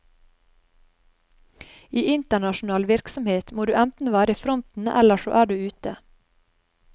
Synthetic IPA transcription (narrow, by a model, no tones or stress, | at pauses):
iːʔɪnt̪əɳɑʃn̩ɑːlʋɪɾksɔmheːt̪moːd̪ʉːʔænt̪n̩ʋæːɾəfɾɔnt̪n̩ʔɛ̰ləʃo̰ːʔæːɖʉːʉːt̪ə